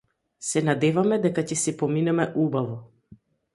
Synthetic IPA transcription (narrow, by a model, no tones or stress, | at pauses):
sɛnad̪ɛvamɛd̪ɛkacɛsɛpɔminɛmɛʔubavɔ